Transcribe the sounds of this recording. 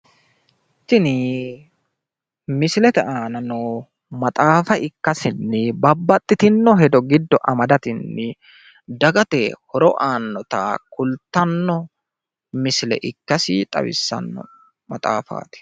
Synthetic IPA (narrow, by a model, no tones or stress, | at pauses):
t̪ːɪnɪ | mɪsɪlɛt̪ɛʔaːnɐnɔ | mɐt̪ʼaːfɐʔɪkːɐsɪnːɪbɐbːɐt̪ʼːɪt̪ɪnːɔɦɛd̪ɔɡɪd̪ːɔʔɐmɐd̪ɐt̪ɪnːɪ | d̪ɐɡɐt̪ɛhɔɾɔʔaːnːɔt̪a̰kʊlt̪ːɐnːɔ | mɪsɪlɛ̰ʔɪkːɐsɪt̪ʼɐ̰wɪ̰sːɐ̰nːɔ̰ | mɐt̪ʼa̰ːfa̰ːt̪ɪ̥